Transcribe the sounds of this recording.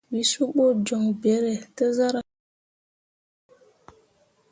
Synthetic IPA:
wi˨su˦ɓo˦˨d͡ʒɔ˨ŋbɛ˨˦ɾɛ˨tə˦za˦ɾa˨

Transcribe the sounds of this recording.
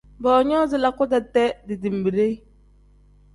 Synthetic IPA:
bɔ˨ɲɔː˦zɪ˨la˨kʊ˦da˨tɛ˦dɪ˨di˨m˨bi˨ɾe˦

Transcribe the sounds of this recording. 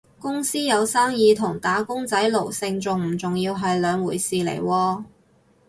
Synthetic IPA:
kʊ˥ŋsiː˥jɐ˨˧wsaː˥ŋjiː˨˧t̪ʰʊ˨˩ŋt̪aː˨˥kʊ˥ŋt͡sɐ˨˥jlo˨˩wsɪ˧ŋt͡sʊ˨ŋm̩˨˩t͡sʊ˨ŋjiː˧wɦɐ˨jlœː˨˧ŋwuː˨˩jsiː˨lḛ˨˩jwɔː˧

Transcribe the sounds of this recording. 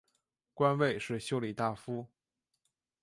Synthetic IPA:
kwa˥nwe˥˧ɪʂɻ̩˥˩ɕjo˥ʊli˨˩t̪a˥˩fu˥

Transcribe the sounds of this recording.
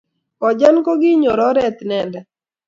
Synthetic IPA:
kɔ˨d͡ʒa˦nkɔ˦ɡɪ˦ɲo˨ɾɔ˦ɾɛ˦t̪nɛ˦˨ndɛ˨

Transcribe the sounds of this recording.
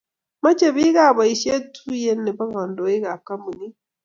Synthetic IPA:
ma˦t͡ʃe˦βi˦ɣa˦˨βa˨i˨ʃe˦tu˦je˦ne˨βa˦ɣa˨ndo˨i˦ɣa˨ka˦mu˨ni˦

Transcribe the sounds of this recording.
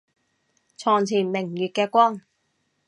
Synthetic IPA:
t͡sʰɔː˨˩ŋt͡sʰiː˨˩nmɪ˨˩ŋjyː˨t̚kɛː˧kʷɔː˥ŋ

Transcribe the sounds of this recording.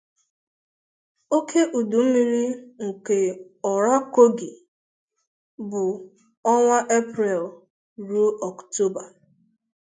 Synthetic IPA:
o˦kʰe˦ʔu˨du˨m̩˦mi˦ɾi˦ŋ̩˨ke˨ | ɔ˨ɾa˦ko˦ɡi˨ | bʊ˨ | ɔ˦ŋʷa˦ʔe˦pɾɛ˨l | ɾu˦ɔ˨kto˦ba˨

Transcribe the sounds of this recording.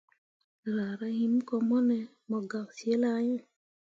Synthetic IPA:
ɾa˨ɾa˦hi˦m˦kɔ˧mɔ˦nɛ˨ | mɔ˨ɡa˨wsje˦la˦ɲɛ˦

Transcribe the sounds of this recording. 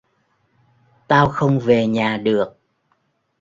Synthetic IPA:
t̪aː˧wxə˧wŋ͡mve˨˩ɲaː˨˩ɗɨ˨˩ək̚

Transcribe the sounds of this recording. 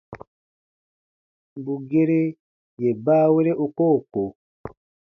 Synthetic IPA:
bu˨ɡe˦ɾe˦ | je˨baː˦we˦ɾe˦ʔu˨ko˦˨ko˨

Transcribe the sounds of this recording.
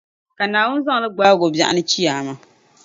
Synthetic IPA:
ka˨naː˨wʊ˦n˦za˦ŋ˨lɨ˦ɡ͡baː˦ɡo˨bja̰˨ʔa̰˨nɨ˦t͡ʃi˦ja˨ma˨

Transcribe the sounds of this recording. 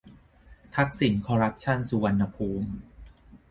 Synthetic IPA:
t̪ʰa˦˥k̚si˩˦nkʰɔː˧ɾa˦˥p̚t͡ɕʰa˥˩nsu˧wa˧nːa˧pʰuː˧m

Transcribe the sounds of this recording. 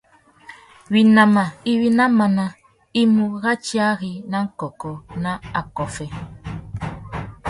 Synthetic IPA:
wi˨na˨ma˨i˦wi˦na˦ma˨na˨ | i˦mu˨ɣa˦t͡ʃi˦a˦ɣi˨na˦ŋ̩˦kɔ˨kɔ˨na˦a˨kɔ˨fɛ˦

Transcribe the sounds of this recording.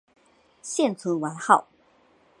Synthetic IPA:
ɕjɛ˥˨nt͡sʰu˧˥nwa˧˥nxɑ˥˩ʊ

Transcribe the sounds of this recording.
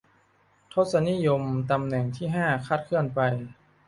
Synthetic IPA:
t̪ʰo˦˥t̪̚sa˧ni˦˥˨jo˧mt̪a˧mnɛ˨˩ŋt̪ʰiː˥˩ɦaː˥˩kʰaː˥˩t̪̚kʰɯ˥˩ənpa˧j

